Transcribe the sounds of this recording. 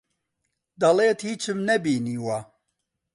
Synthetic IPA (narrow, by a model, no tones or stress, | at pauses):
d̪ɐleːt̪hiːt͡ʃʰɨmnɛbiːniːwa